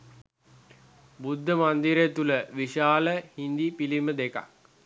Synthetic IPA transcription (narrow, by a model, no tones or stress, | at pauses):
bud̪ʱːəmand̪iɾet̪uləʋiʃaːləhind̪ipiliməd̪eka̰k̚